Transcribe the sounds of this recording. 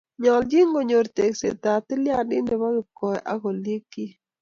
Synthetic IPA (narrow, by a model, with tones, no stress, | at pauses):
ɲɔ˨ld͡ʒi˦ŋɡo˨ɲo˨ɾt̪e˨ksḛ˨t̪a˨t̪ɪ˦lja˦dɪ˦nde˨ma˦ɡɪ˨kɔ˨jʔa̰˦ɡo˨li˦ki˦